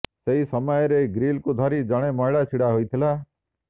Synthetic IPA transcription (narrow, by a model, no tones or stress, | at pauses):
seisəmajɾeɡɾiːlkud̪ʱaːɾid͡ʒəɽ̃eməɦɭat͡ʃʰiɽaɦoit̪ʰilaː